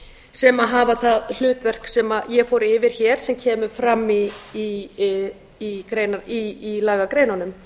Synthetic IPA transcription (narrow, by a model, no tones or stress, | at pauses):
sɛmaðɦaːvaθaðl̥ʏːt̪vɛr̥ksɛmajɛfɔwɾɪvɪɾ̥çɛːɾ̥sɛmcʰɛːmʏ̥fɾamːi | kɾeːjnaiːlaːɣakɾeːjnanʏm